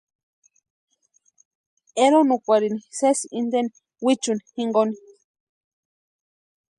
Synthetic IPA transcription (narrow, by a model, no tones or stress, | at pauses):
eɾonukʷaɾinisesind̪eni | wit͡ʃunihiŋɡoni